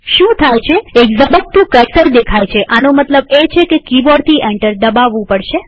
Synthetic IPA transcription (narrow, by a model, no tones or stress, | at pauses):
ʃũt̪ʰajt͡ʃʰeekzəbət̪̚t̪ũkəɾsəɾd̪ekʰajt͡ʃʰeʔanomət̪ləbet͡ʃʰekekibɔɾt̪ʰiʔɛɳʈəɾd̪əbaʋːũpəɽʃe